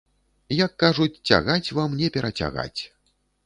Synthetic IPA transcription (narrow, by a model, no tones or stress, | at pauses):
jɐkːaʐut͡sʲt͡sʲa̰ɣat͡sʲvamnʲɛpʲɛɾɐt͡sʲa̰ɣa̰t͡sʲ